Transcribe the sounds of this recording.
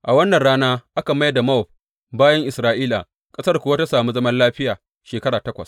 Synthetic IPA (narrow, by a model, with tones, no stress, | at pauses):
ʔa˨wɐ˦nːɐ˨nɽaː˦naː˦ʔa˦ka˨ma˦jda˨ma˦ɔ˨ɸ̚ | baː˦jɐ˦ŋʔɪ˨sɾaː˦ʔiː˦la̰˨ | kʼɐ˦sɐ˦rkʷʊ˨wa˦ta˦saː˨mu˦zɐ˦mɐ˦nlaː˦ɸɪ˦jaː˨ | ʃeː˨kɐ˦ɽaː˨tɐ˦kʷɐ˨s